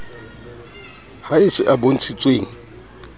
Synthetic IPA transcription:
haɪsɪʔabon̩t͡sʰit͡sʼweːŋ̩

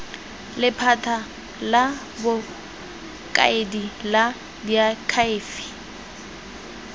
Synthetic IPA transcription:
lɪpʰatʰa | la | bʊ | kʼa̰edila | diakʰaɪːfi̥

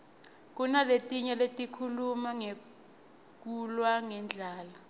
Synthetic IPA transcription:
k̬unaletʼiɲɛletʼikʰulumaŋe | k̬ulwaŋɛnd͡ɮʱaːla

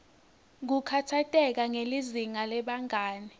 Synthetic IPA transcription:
k̬ukʰatʰatʼɛk̬aŋeliziŋalɛɓaŋaːni

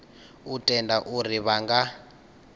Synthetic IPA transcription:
utʼɛndaʔuriβaŋɡa

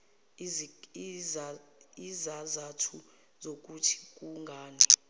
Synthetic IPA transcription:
izazatʰu | zok̬ʼutʰi̥k̬ʼuŋɡʱaːni

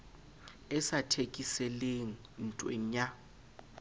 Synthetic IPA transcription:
ɛsatʰekʼisɛleŋ̩n̩tʼwḛɲa

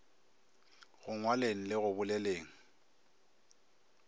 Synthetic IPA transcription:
ɣʊŋwaleŋ̩lɪɣʊbʊlɛleːŋ̩

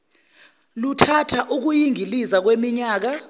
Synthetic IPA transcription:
lutʰatʰaʔuk̬ujiŋilizak̬wemiɲaːk̬a

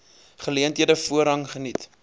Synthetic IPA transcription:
χəliəntɦiədəfuəɾɦɐŋχənit

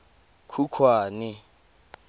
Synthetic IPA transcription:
kʰukʰwaːnɪ

